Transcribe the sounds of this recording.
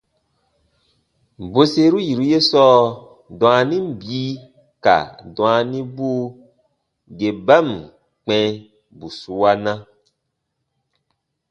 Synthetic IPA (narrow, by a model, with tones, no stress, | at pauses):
bo˦se˦ɾu˦ji˨ɾu˦je˦sɔː˦ | dɔ̃˨a˧nĩ˦m˦biː˦ | ka̰˨dw̃a˧nĩ˦bu˦ | ɡe˨ba˦˨m | k͡pɛ̃˧˦ | bu˨su˦wa˦nã˦